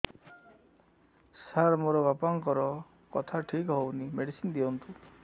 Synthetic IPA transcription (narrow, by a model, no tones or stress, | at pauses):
saɾmoɾɔbapɔŋkɔɾɔ | kɔt̪ʰaʈʰikɦownimeɽisind̪iɔnt̪u